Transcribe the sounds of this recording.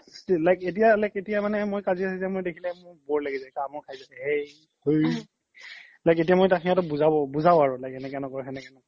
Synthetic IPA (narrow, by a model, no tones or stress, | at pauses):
stilajket̬ijalajketijamanɛmojkaziasɛzɛmojdekʰilɛmʊɹbɔɹlaɡizakamɔɹkʰajzasɛhɛj | hoj | lajket̬ijamojtakʰijatʊbuzabɔbuzaʊaɹʊlajkɛnɛkɛnɔkɔɹxɛnɛkɛnɔk